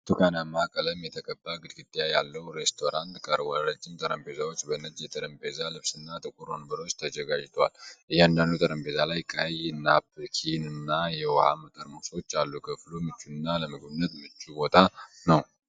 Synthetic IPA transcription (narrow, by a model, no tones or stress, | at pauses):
t̪ʰukʰanamaakʼələmjɛt̪ʰəkʼəbːaɡɨd̪ɡɨt̪ʼːjajalːəwɾe̞st̪ʰo̞ɾant̪kʼəɾwɔɾad͡ʒːɪmt̪ʼəɾəmpezawot͡ʃːbənəd͡ʒjɛt̪ʰʼəɾəmpʰezalɨβsɨnːat̪ʼɨkʼuɾonəbəɾo̞t͡ʃːt̪ʰəd͡ʒəɡad͡ʒt̪ʰwa̰lʔɨjːɛand̪and̪ut̪ʼəɾəmpʰe̞zalajkʼajnːabkʰinɨnːajɛwɔha̰mət̪ʼəɾmuso̞t͡ʃːalːukʰəflumɨt͡ʃːunːaləmɨɡbɨnːət̪mɨt͡ʃːubo̞t̪ʼʰanəw